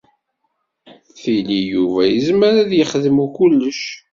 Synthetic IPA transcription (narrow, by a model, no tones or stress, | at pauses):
θilijuvæjəzməɾæðjəχðəmukulːəʃ